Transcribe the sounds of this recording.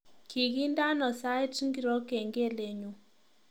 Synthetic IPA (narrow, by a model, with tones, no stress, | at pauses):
kʰi˨ɡi˦nda˦nɔ˨sa˦ɛ˦ti˦ŋɡi˨ɾɔ˦ke˨ŋɡe˦˨le˨ɲu˨